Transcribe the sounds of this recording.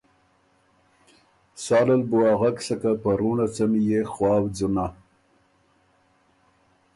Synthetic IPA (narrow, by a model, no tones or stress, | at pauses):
sɑlalboaɣaksakapaɾunat͡samjexwɑːwd͡zuna